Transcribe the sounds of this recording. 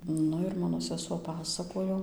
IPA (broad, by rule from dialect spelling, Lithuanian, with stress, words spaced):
ˈnʊ ɪr ˈmɑːnoː sʲɛˈsuɔ pɐˈsɑːkoːjoː